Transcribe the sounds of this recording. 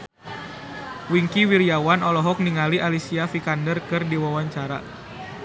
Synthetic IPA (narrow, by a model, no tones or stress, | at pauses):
wiŋkiwiɾiawanɔlɔɦɔk̚niŋaliʔalisiafikandərkɨrdiwawaɲt͡ʃaɾa̰